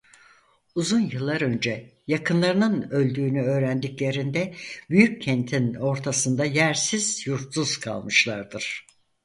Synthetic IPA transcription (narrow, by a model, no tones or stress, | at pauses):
uzunjɯlˠːaɾø̞nd͡ʒɛjakʰɯnlˠaɾɯnɯnø̞lʲd̪yːnyø̞ːɾænd̪iclʲe̞ɾind̪ɛbyjycʰɛnt̪ʰino̞ɾt̪ʰasɯnd̪ajæɾsiz̥juɾt̪suz̥kʰa̰lˠmɯʃlˠaɾd̪ɯɾ̥